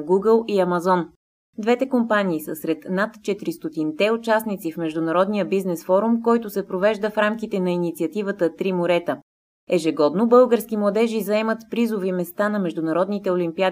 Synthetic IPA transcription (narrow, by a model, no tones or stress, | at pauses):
ɡuɡəlˠiɐmɐzɔn | d̪vɛt̪ɛkompaniːsəsɾɛt̪nat̪t͡ʃɛt̪ɾist̪ot̪int̪ɛʊt͡ʃasnit̪sifmɛʒd̪ʊnɐɾɔd̪nijəbiznɛsfɔɾumkɔjt̪ʊsɛpɾovɛʒd̪əfɾamkit̪ɛnɐinit̪siət̪ivət̪ət̪ɾimoɾɛt̪ə | ɛʒɛɡɔd̪nobɤlˠɡəɾskimlˠɐd̪ɛʒizɐɛmət̪pɾizʊvimɛst̪anɐmɛʒd̪ʊnɐɾɔd̪nit̪ɛolimpia